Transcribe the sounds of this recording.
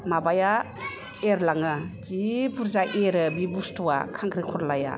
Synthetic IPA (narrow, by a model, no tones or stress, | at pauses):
mabaja | eɾlaŋɯtipʰuɾzaʔeɾɯbibustuwa̰kʰaŋkʰɾikʰɔɾlaja̰